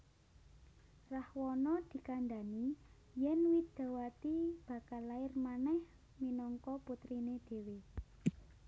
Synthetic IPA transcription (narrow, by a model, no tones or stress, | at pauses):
rahwɔnɔd̪̥i̤kand̪a̤ni | jɛnwid̪̥a̤wat̪ib̥a̤kalaɪrmanɛh | minɔŋkɔput̪ɾined̪̥e̤we